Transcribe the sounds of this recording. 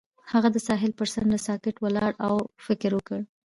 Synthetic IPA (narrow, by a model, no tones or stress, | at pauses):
haɣad̪əsɑɦɪlpəɾsand̪əsɑkɪʈwəlɑɽawfɪkɾwəkəɽ